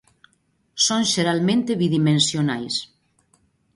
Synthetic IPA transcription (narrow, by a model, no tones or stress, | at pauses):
sonʒeɾalmẽnt̪eβiðimensjonajs